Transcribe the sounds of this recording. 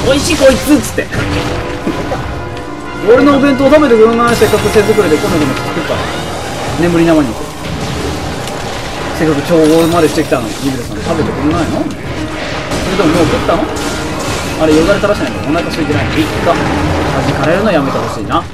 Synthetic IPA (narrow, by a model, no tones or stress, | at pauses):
oiɕikoit͡sɨt͡sɨ̥t̪ːe̞̰ | oɾenoːbẽ̞nt̪oːt̪abe̞t̪ekɯɾɯnaise̞kːakɯsezɨkɯ̟ɾed̪ekomed̪emoki̥t̪i̥k̪ekkːa̰ | ne̞mbɯ̟ɾʲinamaɲik̪o | se̞kːakɯkʲoːomad̪eɕi̥t̪ekʲi̥t̪ano̰iɡɯɾesanot̪abe̞t̪e̞kɯ̟ɾɯnaino | soɾed̪eomoːkɯt̪ːano | aɾejoɡ̪aɾet̪aɾaɕi̥enaĩekond̪aikaɕiet̪enainikːat̪ad͡ʑiikaɾeɾɯ̟nojame̞t̪aɾoɕiːna